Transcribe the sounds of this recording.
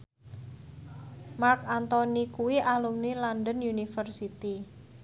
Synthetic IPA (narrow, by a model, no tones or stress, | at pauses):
markant̪ɔnikuwiʔalumnilandənunifərsit̪i